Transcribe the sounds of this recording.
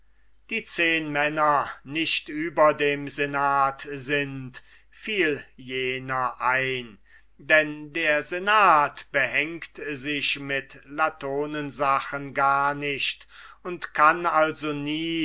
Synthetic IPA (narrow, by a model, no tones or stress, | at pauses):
d̥iːt͡seːnmɛnɐnɪʃtʔyːbɐdeːmzenaːtzɪnt | fiːljeːnɐʔaɪn | dɛndeːɐzenaːtb̥əɦɛŋktzɪʃmɪtlatʰoːnənzaxənɡaːɐnɪʃtʊntkʰanalzoniː